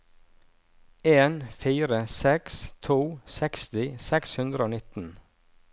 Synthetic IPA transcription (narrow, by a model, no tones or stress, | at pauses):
eːnfiːɾəsɛkst̪ʰuːsɛkst̪ɪsɛkshʉnd̪ɾəoːnɪt̪n̩